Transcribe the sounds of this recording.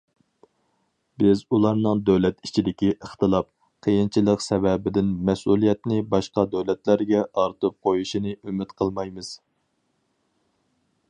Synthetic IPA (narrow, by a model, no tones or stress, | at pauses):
bɪzulˠɑɾnɨŋd̪øwlɛt̪it͡ʃʰid̪ɪkʲiʔəχt̪ɨlˠɑp̚ | qʰəjint͡ʃʰilˠəqsɛvɛbɪd̪ɪnmɛsulˠijɛt̪nɪbɑʃqɑd̪øwlɛt̪læɾɡʲɛʔɑɾt̪ɨp̚qʰojuʃinɨʔymɪt̪qʰəlˠmɑjmɨz̥